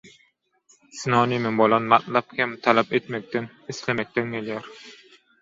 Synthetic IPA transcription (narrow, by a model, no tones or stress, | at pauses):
sɨnɑːnimɪnbolˠɑnmat̪lˠɑp̚kʲʰɛmt̪ʰælɛpet̪mɛk̚ʲt̪ɪn | ɪslɛmɛk̚ʲt̪ɛnkʲʰelijoɾ